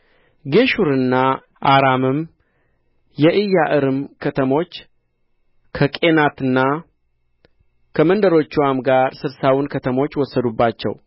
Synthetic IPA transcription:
ɡe̞ʃuɾɨnːa | ʔaɾamɨm | jɛʔɨjːaʔɨɾɨmkʰət̪ʰəmo̞t͡ʃː | kʰəkʼe̞nat̪ɨnːa | kʰəmənd̪əɾo̞t͡ʃːuwamɡaɾsɨɾsawunkʰət̪ʰəmo̞t͡ʃːwɔsːəd̪ubːat͡ʃːɛ̰w

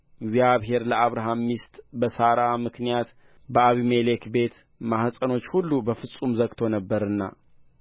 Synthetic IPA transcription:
ʔɨɡzjaβɦe̞ɾləaβɾaɦamːist̪ʼbəsaɾamɨknijat̪ | bəaβimele̞kbe̞t̪ | mahsʼəno̞t͡ʃːhulːubəfɨsʼumzəɡt̪ʰo̞nəbːəɾɨnːa̰

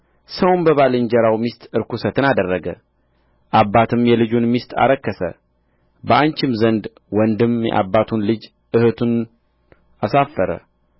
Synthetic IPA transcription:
səwnbəβalɨnd͡ʒɛɾawmist̪ʼɨɾkusət̪ʰɨnad̪ərːəɡə̰ | ʔabːat̪ʰɨmjɛlɨd͡ʒunmist̪ʼa̰ɾəkːəsə̰ | bəʔant͡ʃɪmzənd̪ | wɔnd̪ɨmjɛ̰ʔa̰bːat̪ʰunlɨd͡ʒ | ɨhɨt̪ʰun | asafəɾə̰

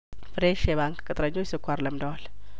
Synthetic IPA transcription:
fɾeʃeβaŋkkʼɨt̪ʼɾɐɲːojisɨkʰʷːaɾləmd̪oal

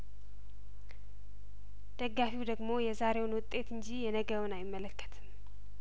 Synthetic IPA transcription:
d̪̥əɡːafiwd̪əɡmo̞jɛzaɾe̞wnwʊt̪ʼːe̞t̪ɨnd͡ʒijɛnəɡəwɨnajɪmːələkːə̥t̪ʰɨm

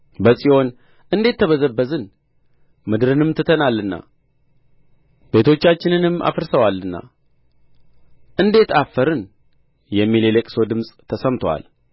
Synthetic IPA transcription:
bəsʼio̞n | ɨnd̪e̞t̪ʰːəβəzəbːəzɨn | mɨd̪ɨɾɨnɨmt̪ʰɨt̪ʰənalːɨnːa̰ | be̞t̪ʰo̞t͡ʃːat͡ʃːɪnɨnɨmːa̰fɨɾsəwalːɨnːa̰ | ʔɨnd̪e̞t̪ʰafːəɾɨn | jɛmːilelekʼso̞d̪ɨmsʼt̪ʰəsəmt̪ʰowa̰l

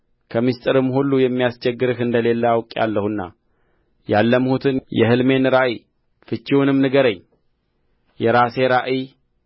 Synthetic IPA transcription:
kʰəmist̪ʼɨɾɨmːhulːujɛmːijast͡ʃʰɛɡːɨɾɨhɨnd̪əle̞lːawkʼa̰lːəhɨnːa̰ | jalːəmhut̪ʰɨnjɛɦɨlme̞nɨɾaʔi | fɨt͡ʃːiwnɨmnɨɡəɾəɲː | jɛɾase̞ɾaʔi

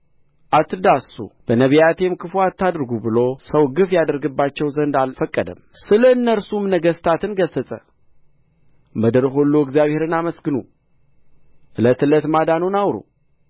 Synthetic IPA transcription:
ʔat̪ːɨd̪asṵb̥ənəβijat̪ʰemkʰɨfoat̪ʰːad̪ɾɡubɨlo̞səwɡɨfjad̪əɾɡɨbːat͡ʃːɛwzənd̪alfəkʼːəd̪ə̰msɨləɨnːəɾsumnəɡəst̪ʰat̪ɨnɡəsːəsʼə | məd̪əɾɦolːoɪɡzjaβhe̞ɾɨnaməsɡɨnu | ʔɨlət̪ɨlət̪mad̪anunawɾṵ

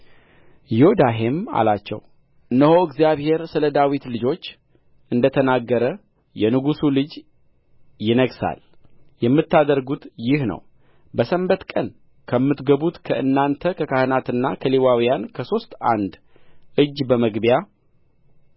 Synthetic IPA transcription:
jod̪aɦema̰lat͡ʃːɛ̰w | ɨnːəho̞ɨɡzijaβhe̞ɾsɨləd̪awit̪lɨd͡ʒo̞t͡ʃː | ʔɨnd̪ət̪ʰənaɡːəɾə | jɛnɨɡusulɨd͡ʒ | jɪnəɡsa̰l | jɛmːɨt̪ːad̪əɾɡut̪jɪhnə̰w | bəsəmbət̪kʼən | kʰəmːɨt̪ɡəβut̪kʰəʔɨnːant̪ʰəkʰəkahɨnat̪ɨnːakʰəlewawijankʰəso̞st̪a̰nd̪ | ɨd͡ʒːbəməɡbja

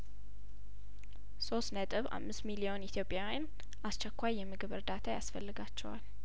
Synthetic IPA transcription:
so̞st̪nət̪ʼɨβa̰mːɨst̪milio̞nit̪ʰjo̞pʼjawjan | ʔast͡ʃɛkʷːajːɛmːɨɡɨβɨ̰ɾd̪at̪ʰajasfəlːɨɡat͡ʃːɛwal

